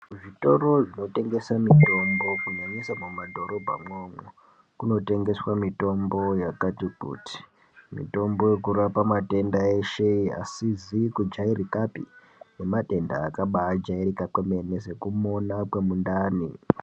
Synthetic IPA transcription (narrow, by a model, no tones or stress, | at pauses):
ʐito̞ro̞ʐino̞te̞ŋɡe̞samito̞mbo̞kuɲaɲisamumadʱo̞ɾo̞bʱa̰mwoːmwo | kuno̞te̞ŋɡe̞swamito̞mbo̞jakatikṵːti̥ | mḭto̞mbo̞je̞kurapamate̞ndae̞ʃe̞a̰sizikud͡ʒairikapḭ | ne̞mate̞ndaːkaɓaːd͡ʒairikakwemenesekumonakwemundaːni